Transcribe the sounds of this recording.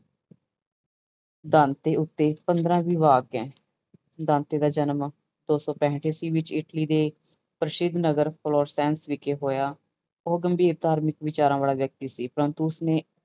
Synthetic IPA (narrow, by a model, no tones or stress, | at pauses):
d̪aːnt̪eːʊt̪ːeːpənd̪ɾãːʋiːʋaːɡɛ̃ː | d̪ãːnt̪eːd̪aːd͡ʒənm | d̪oːsɔ̃ːpɛ̃ːɦɳʈʰeːsiːʋɪt͡ʃɪʈliːd̪eː | pɾəʃɪd̪nəɡəɾpʰloːɾsɛːnsʋɪkeːɦoːjaː | ɔːɡəmbʱiːɾd̪ʱaːɾmɪkʋɪt͡ʃaːɾãːʋaːlaːʋjək̚t̪iːsiːpɾənt̪uːsneː